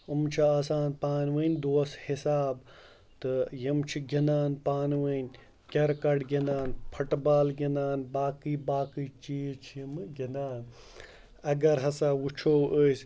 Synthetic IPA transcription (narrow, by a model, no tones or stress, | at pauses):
ɨmt͡ʃʰiaːsaːnpaːnʋənʲd̪oːshisaːb | t̪ɨjimt͡ʃʰiɡʲinaːnpaːnʋənʲ | kʲɐɾkɐɖɡʲinaːnpʰɐʈbaːlɡʲinaːnbaːkibaːkɨt͡ʃiːzt͡ʃʰijimɡinaːn | ɐɡɐɾɦɐsaːwut͡ʃʰowʔəs